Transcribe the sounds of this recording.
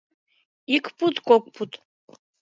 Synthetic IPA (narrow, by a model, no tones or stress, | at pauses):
ikʷʰʼpʰʼutʼkʷʼɔkʷʼpʰutʼ